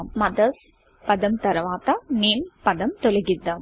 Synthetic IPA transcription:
mɐd̪ɐs | pɐd̪ɐmt̪ɐɾɐʋaːt̪ɐniːnpɐd̪ɐmt̪ɔlɐɣid̪ːɐm

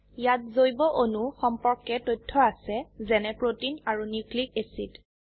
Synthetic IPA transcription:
jat̚zojbɔʔonuxɔmpɔɹkɛtojtʰːɔasɛzɛnɛpɹotinaɹuniklik̚esit

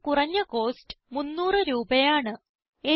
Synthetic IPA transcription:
kurɐɲːɐko̞ːstɨ̥munːuːrɨɾuːbɐjaːɳɨ | e

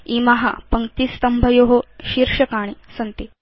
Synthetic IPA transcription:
imaɦa̰pɐŋkt̪ist̪ɐmbʱɐjoɦoɕiɾʂɐkaːɽ̃isɐnt̪e

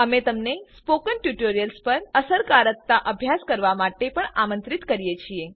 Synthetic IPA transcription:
əmet̪əmnespokənʈjuʈoɾijəlspəɾəsəɾkaɾət̪ːaʔəbʱjaskəɾʋamaʈepəɳamə̃nt̪ɾit̪kəɾijet͡ʃʰie

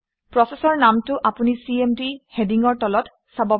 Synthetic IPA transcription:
pɹɔsesɔɹnamtʊʔapunisiemdihediŋɔɹtɔlɔt | sabɔ

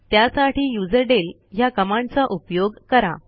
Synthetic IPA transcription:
t̪jasaʈʰiːjud͡zəɾɖel | ɦjakəmãɳt͡saʔupjoɡkəɾa̰

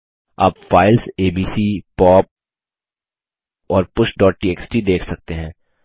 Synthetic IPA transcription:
a̰ːpfaːɪlseːbiːsiːpɔːp̚ | ɔːɾpʊʃɖɔːʈ̚ʈiːeːksʈid̪eːkʰsɐk̚t̪eɦɛ̃ː

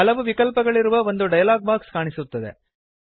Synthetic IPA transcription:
ɐlɐʋuʋikɐlpɐɡɐɭiɾuʋɐʋo̞nd̪uɖɐjɐlaːɡ̚maːɾkskaːɳisut̪ːɐd̪e̞̰

